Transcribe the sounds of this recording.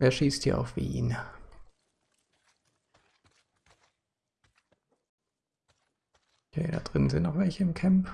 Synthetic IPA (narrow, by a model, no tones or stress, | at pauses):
ʔeːɐʃiːsthiːɐʔa̰ʊfv̥ḭːn | kʰḛːɾa̰ːd̥ʁɪnənzɪntnɔxvɛlçəɪmkʰɛmp